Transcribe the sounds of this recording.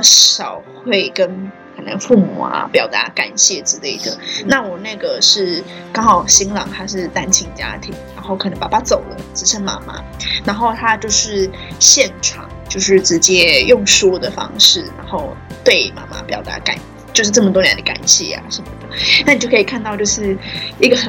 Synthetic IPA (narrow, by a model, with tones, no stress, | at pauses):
ɕjɑ˨˩ʊxwe˥˩ɪkə˦n | kʰə˨˩na̰˧˥ŋfu˥˩mṵ˨˩ɐ̰˩pjɑ˨˩ʊt̪a̰˧˥ka̰˨˩nɕjɛ˥˩ʈ͡ʂɻ̩˧˥le˥˩ɪd̪ə̰˨˩na˥˩wɔ˨˩na˥˩ɡə˩ʂɻ̩˥˩ | kɑ˥ŋxɑ˨˩ʊɕi˥ŋlɑ˨˩ŋt̪ʰa˥ʂɻ̩˥˩t̪a˥nt͡ɕʰi˧˥ŋt͡ɕja̰˥t̪ʰi˨˩˦ŋɻa˧˥nxo˥˩ʊkʰɤ˨˩nə˧˥ŋpa̰˨˩ba˥t͡so˨˩ʊlə˦t͡sɻ̩˥ʂʰə˥nma̰˧˥ma̰˦ | na˧˥nxo˥˩ʊt̪ʰa˥t͡ɕjo˥˧ʊʂɻ̩˥˩ | ɕjɛ˥˩nʈ͡ʂʰɑ̰˨˩˦ŋt͡ɕjo˥˧ʊʂɻ̩˥˩ʈ͡ʂɻ̩˧˦˥t͡ɕjɛ˥jʊ˥˩ŋʂɔ˥d̪ə˨fɑ̰˥ŋʂɻ̩˥˩na̰˧˥nxo˥˩ʊ | t̪we˥˩ɪma̰˧˥ma̰˦pjɑ˨˩ʊt̪a̰˧˥ka̰˨˩n˧t͡ɕjo˥˧ʊʂ̬ɻ̩˥˧ɤ˥˩mə˩t̪wɔ˥njɛ̰˧˥nd̪ə˧ka̰˨˩nɕjɛ̰˥˩ja̰˨˩ʂə˧˥nmə˩d̪ə˩˦na˥˩ni˨t͡ɕo˥˩kʰə˥i˨˩kʰa˥˧nt̪ɑ˥˧ʊt͡ɕjo˥˧ʊʂɻ̩˥˩i˧˥ɡə˨˩xə˨˩